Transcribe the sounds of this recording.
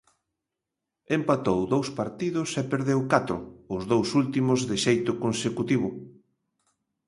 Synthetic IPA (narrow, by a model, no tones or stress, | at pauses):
empat̪owðowspaɾt̪iðʊsɛpeɾðewkat̪ɾʊ̰ʊzðowsult̪imʊzðeʃejt̪ʊkonsekut̪iβʊ